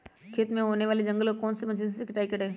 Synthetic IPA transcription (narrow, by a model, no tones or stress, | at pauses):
kʰet̪mẽɦoːneʋaːled͡ʒɐ̃ŋɡəlɔkɔːnsemɐt͡ʃizsekɪʈaːikɐɽɦẽː